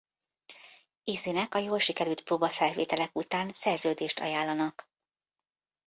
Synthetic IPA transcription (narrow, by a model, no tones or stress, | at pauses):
izinɛkɒjoːlʃikɛɾylt̪̚proːbɒfɛlveːt̪ɛlɛkut̪aːnsɛrzøːd̪eːʃt̪ʰɒ̰jaːlːɒnɒk